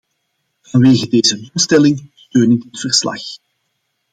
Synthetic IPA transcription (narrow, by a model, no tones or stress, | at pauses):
vɑnʋeːɣədeːzəlɔstɛlɪŋstøːnɪdɪtfərslɑ̰x